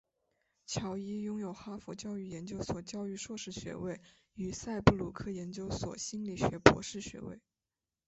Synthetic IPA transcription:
t͡ɕʰjɑ˧˥ʊi˥jʊ˥ŋjo˨˩ʊxa˥fɔ˧˥t͡ɕjɑ˥ʊy˥˩jɛ˧˥nt͡ɕjo˥ʊswɔ˨˩t͡ɕjɑ˥ʊy˥˧ʂwɔ˥˧ʂɻ̩˥˩ɕɥɛ̰˧˥we˥˩ɪ | y˨˩sa˥˧ɪpu˥˧lu˨˥˩kʰɤ˥˩jɛ˧˥nt͡ɕjo˥ʊswɔ̰˨˩ɕi˥nli˨˩ɕɥɛ˧˥pwɔ̰˧˥ʂɻ̩˥˩ɕɥɛ̰˧˥wḛ˥˩ɪ

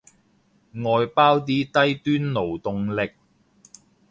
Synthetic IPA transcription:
ŋɔː˧jpaː˥wt̪̬iː˥t̪ɐ˥jt̪yː˥nlo˨˩wt̪ʊ˨˧ŋlɪ˨k̚

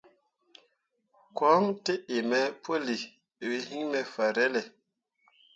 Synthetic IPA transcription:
kwɔ˨˦ŋte˦e˨mɛ˨pʰo˦li˨ | we˦hi˦ŋmɛ˨fa˨ɾɛ˦lɛ˨

